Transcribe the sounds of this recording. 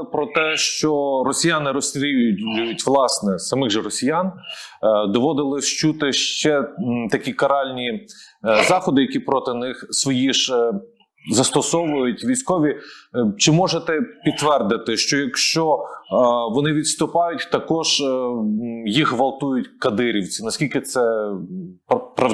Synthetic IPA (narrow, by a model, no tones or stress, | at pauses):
pɾɔt̪ɛʃt͡ʃɔɾɔsʲijɑnɪɾɔsʲt̪ʲɾʲijʊjʲʊjʊtʲʋlˠɑsnɛsɐmɪɣʒɛɾɔsʲijɑn | d̪ɔʋɔd̪ɪlˠɪʃt͡ʃut̪ɪʃt͡ʃɛt̪ɐkʲikɐɾɑlʲnʲi | zɑxɔd̪ɪjɐkʲipɾɔt̪ɪnɪxsʋɔjiʒ | zɐst̪ɔsɔʋʊjʊtʲʋʲijsʲkɔʋʲit͡ʃɪmɔʒet̪ɛpʲit̪ːʋɛrd̪ɪt̪ɪʃt͡ʃɔjɐkʃt͡ʃɔ | ʋɔnɪʋʲidt̪st̪ʊpɑjʊtʲt̪ɐkɔʒ | jixʋɐlˠt̪ujʊtʲkɐd̪ɪɾʲiwt͡sʲinɐsʲkʲilʲkɪt̪sɛ | ppɾɐ